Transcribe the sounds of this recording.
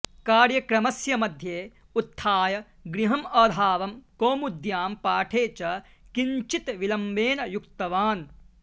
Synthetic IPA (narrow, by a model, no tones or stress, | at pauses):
kaːɾjɐkɾɐmɐsjɐmɐd̪ʱjeː | ut̪ʰːaːjɐ | ɡɾiɦɐmɐːd̪ʱaːʋɐmkoːmud̪jaːmpaːʈʰeːt͡ʃɐ | kiɲt͡ʃit̪ʋilɐmbeːnɐjukt̪ɐʋaːn